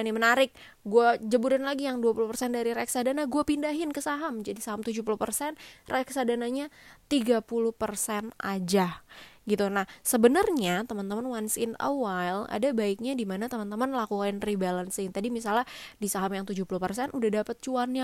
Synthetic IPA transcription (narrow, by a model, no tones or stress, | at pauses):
nimənaɾɪk̚ | ɡuad͡ʒəbuɾanlaɡijaŋduapuluhpərsɛndaɾiɾɛksadanaɡuapindaɦɪnkəsaɦamd͡ʒadisaɦamt̪ud͡ʒuhpuluhpərsɛnrʔeksadanaɲat̪iɡapuluhpərsɛnad͡ʒaɡit̪unahsəbənərɲat̪əmant̪əmanwansɪna̰wala̰dabaɪk̚ɲadimanat̪əmant̪əmanlakukaɪnribalənsɪŋt̪adimisaladisaɦamjaŋt̪ud͡ʒuhpuluhpərsɛnʔudahdapət̪̚t͡ʃuanɲa